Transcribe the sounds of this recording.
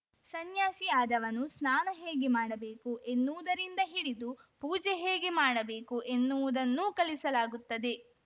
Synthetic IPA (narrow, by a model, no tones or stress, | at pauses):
sɐnjaːsijaːd̪ɐʋɐnusnaːnɐɦe̞ːɡemaːɽɐbe̞ːkuʔe̞nːuʋud̪ɐɾind̪ɐɦiɽid̪upuːd͡ʒɛɦe̞ːɡemaːɽɐbe̞ːkuʔe̞nːuʋud̪ɐnːuːkɐlisɐlaːɡut̪ːɐd̪e̞